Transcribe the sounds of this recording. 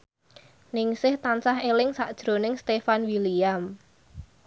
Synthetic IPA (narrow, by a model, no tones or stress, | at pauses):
nɪŋsɪht̪ansaɦelɪŋsaʔd̥ʒ̥ɾo̤nɪŋst̪efanwiliam